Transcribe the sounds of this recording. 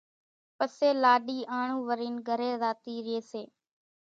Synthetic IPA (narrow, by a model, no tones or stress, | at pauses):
pəseːlaːɗiːʔaːɳũːʋəɾiːnɡʱəɾeːzaːt̪iːɾɪeːseː